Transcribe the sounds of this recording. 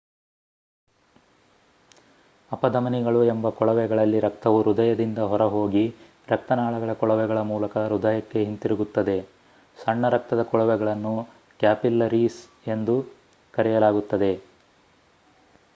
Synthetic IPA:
ɐpɐd̪ɐmɐniɡɐɭuembɐkɔɭɐʋɛɡɐɭɐlːiɾɐk̚t̪ɐʋuɾud̪ɐjɐd̪ind̪ɐɦɔɾɐɦo̞ːɡi | ɾɐk̚t̪ɐnaːɭɐɡɐɭɐkɔɭɐʋɛɡɐɭɐmuːlɐkɐɾud̪ɐjɐkːe̞ɦint̪iɾuɡut̪ːɐd̪e̞ | sɐɳːɐɾɐk̚t̪ɐd̪ɐkɔɭɐʋɛɡɐɭɐnːu | kjaːpilːɐɾiːs | e̞nd̪u | kɐɾɛjɐlaːɡut̪ːɐd̪e̞

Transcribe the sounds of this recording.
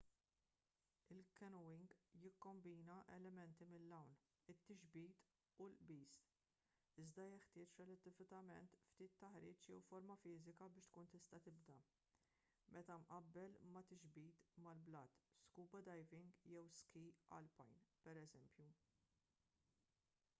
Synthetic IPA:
ɪlkɛnɔwɪŋɡjɪkːɔmbiːnɐʔɛ̰lɛmɛnt̪imɪlːɐwn | ɪt̪ːɪʒbiːt̪ | ulʔbiːs | ɪzd̪ɐjɪħt̪ɪːt͡ʃɾɛlɛt̪ːɪvɪt̪ɐmɛnt̪ft̪iːt̪ːɐħɾiːt͡ʃjɛwfɔɾmɐfɪːzɪkɐbɪːʃt̪kuːnt̪ɪst̪ɐt̪ɪbd̪ɐ | mʔɛt̪ɐmʔɐbːɛlmɐt̪ɪʒbiːt̪mɐlblɐːt̪skuːbɐd̪ɐjvɪŋɡjɛwskiɐ̰lpɐjnpɛɾɛzɛmpju

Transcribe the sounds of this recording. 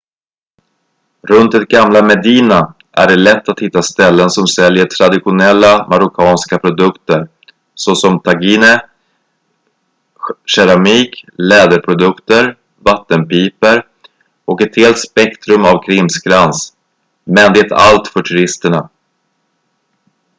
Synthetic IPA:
ɾɵnt̪̚d̪ɛt̪̚ɡamlamɛd̪iːna | ʔæ̰ɖɛlɛt̪ːat̪hɪt̪ːast̪ɛlːənsɔmsɛljəʈʰɾad̪ɪɧʊnɛlːamaɾʊkʰɑːnskapʰɾʊd̪ɵkt̪əɾ | sɔsɔmt̪ʰaɡiːnə | ɕɛɾamiːklɛːd̪əɾpʰɾʊd̪ɵkt̪əɾ | vat̪ːənpiːpəɾ | ʔɔkɛt̪heːlt̪spɛkt̪ɾɵmavkʰɾɪmsɡɾans | mɛnd̪ɛt̪ʰa̰lt̪fœʈʰɵɾɪst̪əɳa

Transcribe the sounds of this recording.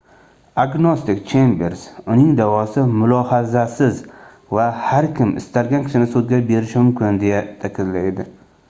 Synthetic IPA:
aɡnost̪ɪkʲt͡ʃʰembeɾsʊnɪŋd̪avɒsɪmʊlˠɒhazasɪz | vahaɾkʲʰɪmɪ̰st̪ʰalɡʲankʲʰɪ̥ʃɪnɪsod̪ɡʲabe̞ɾɪʃmʊmkʲʰɪnd̪e̞jat̪ʰakʲʰɪllajd̪ɪ

